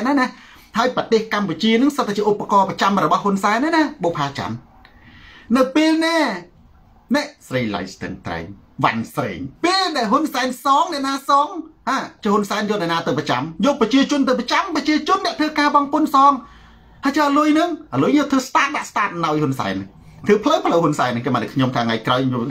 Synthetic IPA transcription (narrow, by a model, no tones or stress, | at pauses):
nana | haəjprət̪eːhkamput͡ɕiənɨŋsət̪ʰːat͡ɕiəʔupːakɑːprət͡ɕamrɔɓɑhɦunsaɛnːɛnaɓoːpʰaːt͡ɕa̰n | nɨwpeːlniə | nɛʔsrəjla̰jst̪ə̰ːnt̪ra̰ɛŋ | ʋa̰nsrḛːŋpeːlɗaɛlɦunsaɛnsɑːŋnɛ̆əʔnaːsɑːŋhaːt͡ɕiəhʊnsaɛnjoɔːlnɛʔnaːt̪ɨwprət͡ɕa̰mjɔːlprɑt͡ɕiət͡ɕʊ̆ənt̪ɨwprət͡ɕamprɑt͡ɕiət͡ɕʊ̆ənːɛəʔt̪ʰɨːkaːɓɑŋpʊnsɑːŋ | hajt͡ɕəːʔəlʊjnɨŋʔalujŋɔːt̪ʰɨːst̪aːt̪̚ɓaʔst̪aːt̪̚naɔjhunsa̰ɛnːŋ | t̪ʰɨːpʰləwpʰləwhunsaɛnːɨŋkemaːnɨkʰɲomt̪ʰaːŋajkraɔjo